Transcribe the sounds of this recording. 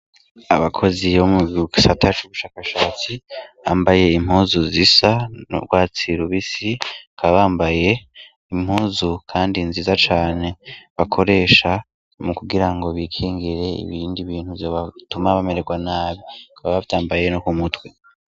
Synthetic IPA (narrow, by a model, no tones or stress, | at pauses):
aβakʰo̞ziβomuɡisatat͡ʃuβuʃaːkaʃaːt͡sia̰ːmbaje̞im̥huːzuzisano̰ɡwaːt͡siɾuβisikʰaβaβaːmbaje̞ | im̥huːzukʰaːndinziːzat͡ʃaːne̞βakʰo̞ɾe̞ːʃa | mukuɡiɾaŋɡo̞βiːkʰiːŋɡiɾe̞ḭβiːndiβiːnhuvjo̞βatumaβame̞ɾeɡwanaːβikaβaβavtaːmbaje̞nokumutwe